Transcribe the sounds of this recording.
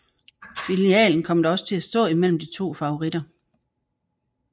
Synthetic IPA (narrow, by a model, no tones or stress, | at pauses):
filiɛ̰ːln̩kʰɒ̽m̰d̥ɒ̽sə̥t͡sʰe̝æsd̥ɔ̰̽ːimel̰m̩d̥it͡sʰo̝̰ːfɑ̈oʁid̥ɐ